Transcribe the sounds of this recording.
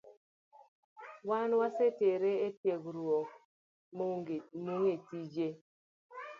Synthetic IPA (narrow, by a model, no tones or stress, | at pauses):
wanwaseteɾeetjeɡɾuɔk | mmoŋetid͡ʒe